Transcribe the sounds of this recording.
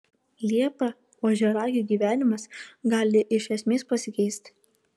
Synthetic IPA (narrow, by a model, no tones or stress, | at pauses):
lʲiɛpɐ | oːʒʲɛɾɑːɡʲuːˑɡʲiːʋʲæːnʲɪmɐsɡɑːlʲɪʔɪʃʲɛsʲmʲeːspɐsʲɪkʲɛɪsʲt̪ʲ